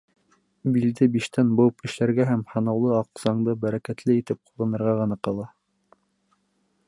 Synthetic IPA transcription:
bild̪ɘbiʃt̪ænbowpɘ̆ʃlæɾɡæɦæmhɑ̆nɑwlˠɤɑqz̥ɑɴd̪ɤbæɾækæt̪lɘit̪ɘp̚qulˠɤnɤ̆ɾʁɑʁɤ̆nɑqɤ̆lˠɑ

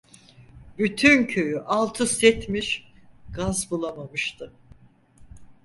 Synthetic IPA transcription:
byt̪ʰyncʰø̞jyʔalˠt̪ʰɯsɛt̪miʃɡazbulˠamamɯʃt̪ʰɯ

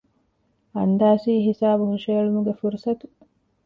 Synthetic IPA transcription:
ɐnd̪aːsiːɦisaːbuɦuʃeːɐɭumuɡefuɾusɐt̪u

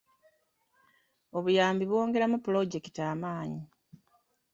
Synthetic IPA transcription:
o̞βujaːmbiβwo̞ːŋɡe̞ɾamupulo̞ɟe̞ki̥taːmaːɲi

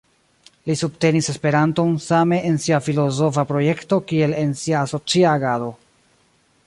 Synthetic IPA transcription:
lisubte̞nise̞spe̞ɾanto̞nsame̞ʔensiafilo̞zo̞fapɾo̞je̞kto̞kie̞le̞nsiaːso̞t͡siaːɡado̞

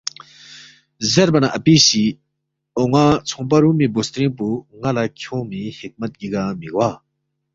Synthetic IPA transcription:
zepanaʔapiɕi | oŋat͡sʰɔŋpaɾuʔmibost̪ɾinpuŋalakʰɔŋmihek̚mat̪̚cikamiʔ̚wa

